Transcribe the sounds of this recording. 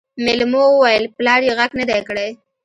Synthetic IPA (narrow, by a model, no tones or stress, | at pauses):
mɪlmowəwajəlplɑɽjeɣaɡnad̪ajkəɽaj